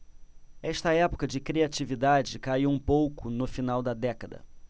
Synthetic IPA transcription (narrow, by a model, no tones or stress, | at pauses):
ɛʃt̪ɐɛpo̥kɐd͡ʒɪkɾiat͡ʃivid̪ad͡ʒɪkaiwũpowkʊnʊfinawd̪ɐd̪ɛkɐd̪ɐ̰